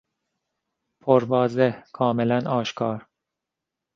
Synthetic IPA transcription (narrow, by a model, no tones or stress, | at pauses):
pʰoɾbɒːzekʰɒːmelænʔɒːʃkʰɒːɾ